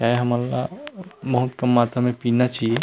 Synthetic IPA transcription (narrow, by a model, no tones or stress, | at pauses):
t͡ʃaːɦeɦɐməlːa̰bɐɦʊt̪kɐmːaːt̪ɾamẽpiːnat͡ʃaːɦie